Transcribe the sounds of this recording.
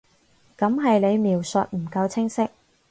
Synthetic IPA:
kɐ˨˥mɦɐ˨jle˨˧jmiː˨˩wsɵ̰˨t̚m̩˨˩kɐ˧wt͡sʰɪ˥ŋsɪ˥k̚

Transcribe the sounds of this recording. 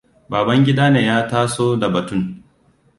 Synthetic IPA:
baː˨bɐ˦ŋɡʲɪ˦daː˦neː˨jaː˦taː˦soː˦da˨bɐ˨tʊ˦˨ŋ

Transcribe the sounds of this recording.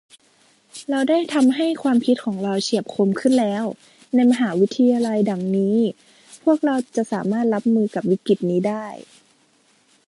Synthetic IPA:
ɾa˧wdaː˥˩jt̪ʰa˧mɦa˥˩jkʰwaː˧mpʰi˦˥t̪̚kʰɔː˩˦ŋɾa˧wt͡ɕi˨˩əp̚kʰo˧mkʰɯ˥˩nlɛː˦˥w | na˧jma˧ɦaː˩˦wi˦˥t̪ʰːa˧jaː˧la˧jda˨˩ŋniː˦˥ | pʰu˥˩ək̚ɾa˧wt͡ɕa˨˩ʔsaː˩˦maː˥˩t̪̚ɾa˦˥p̚mɯː˧ka˨˩p̚wi˦˥ki˨˩t̪̚niː˦˥daː˥˩j

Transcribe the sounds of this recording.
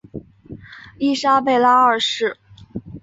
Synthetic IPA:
i˥˩ʂa˥pe˥˩ɪla˥ə˞˥˧˩ʂɻ̩˥˩

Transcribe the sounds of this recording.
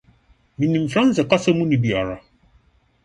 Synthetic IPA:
mĩ˨nĩ˨m̩˨fɾã˦n̩˦sɪ˨ka˦sɛ˦mũ˦nĩ˨bi˨a˨ɾa˨

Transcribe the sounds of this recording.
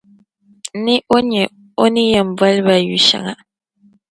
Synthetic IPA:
ni˦ʔo˦ɲɛ˨ | o˦ni˦jɛ˨m˨ba˦lba˨jṵ˨ʃa̰˨ŋa̰˨

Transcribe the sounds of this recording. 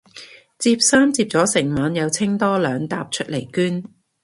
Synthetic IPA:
t͡siː˧p̚saː˥mt͡siː˧p̚t͡sɔː˨˥sɪ˨˩ŋmaː˨˧njɐ˨˧wt͡sʰɪ˥ŋt̪ɔː˥lœː˨˧ŋt̪a̰ː˧p̚t͡ʃʰɵ˥t̚le˨˩jkyː˥n

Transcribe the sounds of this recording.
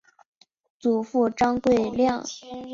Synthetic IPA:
t͡su˨˩fu˥˩ʈ͡ʂɑ˥ŋkwe˥˧ɪljɑ˥˩ŋ

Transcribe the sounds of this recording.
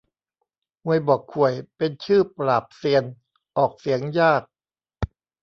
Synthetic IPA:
ŋu˨˩əjbɔː˨˩kʰːu˨˩əjpe˧nt͡ɕʰɯː˥˩pɾaː˨˩p̚si˧ən | ʔɔː˨˩k̚si˩˦əŋjaː˥˩k̚

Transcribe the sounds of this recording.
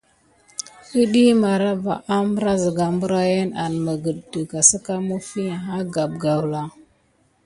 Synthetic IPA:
ə˦ɗi˦ma˨ɾa˦va̰˨ʔa˦mbə˦ɾa˦zə˨ɡa˨mbu˦ɾa˦je˦na˨n˨ma˨ɡə˨ddu˨ɡa˨sa˦ka˦mu˦fi˦a˨ɦa˦ɡa˨b̚ɡa˨wla˨

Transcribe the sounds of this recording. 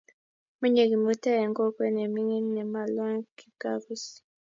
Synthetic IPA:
mu˦ɲe˨ki˨mu˦tɛ˦ɛ˨ŋɡo˦kwɛ˦nɛ˨mi˦ŋi˦nɛ˨ma˨lɔ˦ŋki˨ɡa˦bi˦si̥˨

